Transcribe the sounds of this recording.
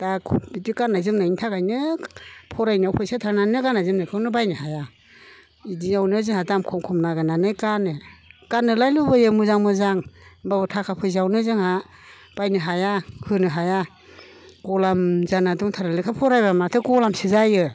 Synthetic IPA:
d̥abitikanajzɯmnajntʰakajnɯpʰɔɾajnɯawpʰɔjsatʰaɾnanɯkanajzɯmnajkʰɯwnɯbajnɯhaja | idiawnɯzɯŋɦhadamkʰɔmkʰɔmnaɡananɯkanekanːɯlajlubɯjɯmuzaŋmɯzaŋbabɯtʰakʰapʰɯjs̬awnɯzɯŋha | b̥ajnɯɦajahɯnɯɦaja | ɡɔlamzanaduŋtʰaɾalɯkʰapʰɔɾajbamatʰɯkɔlamsɯzajɯ

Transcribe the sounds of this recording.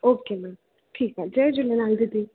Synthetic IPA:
oːkeːmãːn | ʈʰiːkad͡ʒɛːd͡ʒʊlenaːld̪id̪i

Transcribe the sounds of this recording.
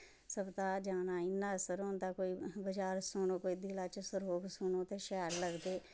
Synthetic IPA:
səbt̪aːd͡ʒaːnaːɪnːãːəsəɾɦõːnd̪aːkoːiːbəd͡ʒaːɾsʊnõːkoːiːd̪ɪlaːt͡ʃəsəɾoːɡsʊnõːt̪ẽːʃɛːɾləɡd̪eː

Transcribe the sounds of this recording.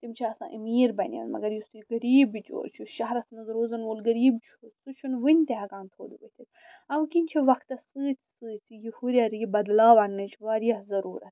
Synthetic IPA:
t̪imt͡ʃʰiɐsã̰ːʔimiːɾbɐnʲḭɐ̰nmɐ̰ɡɐɾjisuɡɐɾiːbit͡ʃo̰t͡ʃʰuʃɐɦɾɐsnuzɾoːzɐnʋoːlɡɐɾiːbt͡ʃʰosut͡ʃʰunʋɨnʲt̪eɦɐɡãːnt̪ʰo̰ːd̪uʋɐt̪ʰit̪ | ɐʋkinʲt͡ʃʰiʋɐkʰt̪ɐsɨːt͡sʰsɨːt͡sʰijihuɾʲaɾjibɐd̪laːʋɐnnɨt͡ʃʰʋaːɾijahzɐɾuːɾɐt̪

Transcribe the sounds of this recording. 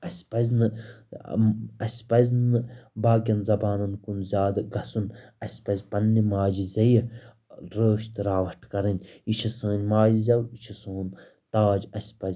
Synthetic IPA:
ɐsʲpɐzʲnɨ | ɐsʲpɐzʲnɨbaːkʲɐnzɐbaːnɐnkunzʲaːd̪ɡɐsunɐsʲpɐzʲpɐnːimaːd͡ʒizɐj | ɾəːʃt̪ɾaːʋɐʈʰkɐɾɐnʲit͡ʃʰisə̃ːnʲmaːd͡ʒizʲɐwit͡ʃʰisoːn | t̪aːd͡ʒɐsʲpɐzʲ

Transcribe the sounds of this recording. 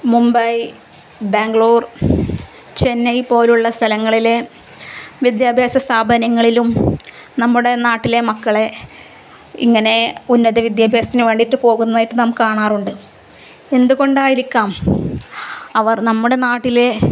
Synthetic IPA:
mumbɐj | beːŋɡɭoːr | t͡ɕe̞nːɐjpo̞ːluɭːɐst̪ʰɐlɐŋːɐɭile̞ | ʋid̪jaːbʱjaːsɐst̪ʰaːbʱɐnɐŋːɐɭilum | nɐmːuɽe̞naːʈːile̞mɐkːɐɭe̞ | ḭŋːɐne̞unːɐðɐʋid̪jaːbʱjaːsɐt̪inɨʋe̞ːɳɖiʈːɨpo̞ːɣunːɐðaːjiʈːɨnɐmkːaːɳaːruɳɖɨ | e̞nd̪uɣo̞ɳɖaːjiɾikʲːaːm | ɐʋɐrnɐmːuɽe̞naːʈːile̞

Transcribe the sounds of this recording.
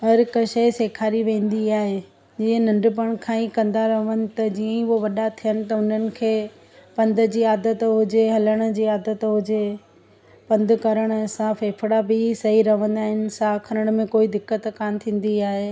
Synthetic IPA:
ɦɐɾkɐʃəseːkʰaːɾiʋẽːn̆d̪iaːɦe | d͡ʑiːə̃nɐ̃ɳɖʊp̬əɽ̃kʰãːĩkɐ̃nd̪aɾɐʋənɪ̆t̪ɐd͡ʑiːə̃ʋoʋɐɗat̪ʰijənɪ̆t̪ɐʊn̤ənɪ̆kʰeː | pɐ̃nd̪ʱə̆d͡ʑiːaːd̪ət̪ɦʊɦd͡ʑeɦɐləɽ̃ə̆d͡ʑiːaːd̪ət̪ʊɦd͡ʑe | pɐ̃nd̪ʱkɐɾəɽ̃sãfeːfɽabɪsɐɦiɾɐʋə̃nd̪aːɦɪnɪ̆saːkʰɐɾəɽ̃mẽkoːid̪ɪkːət̪kaːnt̪ʰĩːn̆d̪iaːɦeː

